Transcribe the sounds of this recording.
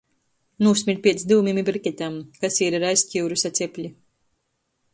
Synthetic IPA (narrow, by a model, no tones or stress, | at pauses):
nusʲmʲiɾʲt̪̚ʲpʲiɛt̪sd̪iwmimibɾikʲɛt̪ʲamkasiɾaɾajscʲiwɾusat̪sʲɛpʲlʲi